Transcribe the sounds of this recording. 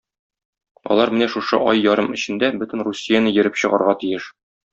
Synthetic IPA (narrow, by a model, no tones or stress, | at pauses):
ɒ̰lˠɑɾmɘnæʃuʃɤ̰ʔɒjːɒɾɤmɘ̆ɕɘ̆nd̪æbɵt̪ɘ̆nrusʲːijanɤjɘ̆ɾɘpɕɤ̆ʁɑ̰ɾʁɑt̪ijɘʃ